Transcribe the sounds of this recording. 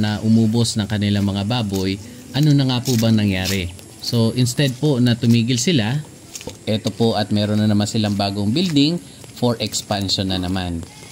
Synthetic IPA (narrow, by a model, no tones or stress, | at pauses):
nɐʔʊmuːbo̞snɐŋkɐnɪlaŋmɐŋabaːbo̞j | ʔɐno̞nɐŋapʊbɐŋnɐŋjaːɾɛ | so̞ʔɪnst̪ɛd̪̚po̞nɐt̪ʊmiːɡɪlsɪla | ʔɛt̪o̞po̞ʔɐt̪̚mɛːɾonːɐnɐmansɪlaŋbaːɡoŋbild̪ɪŋ | foɹʔɛkspanʃonːɐnɐman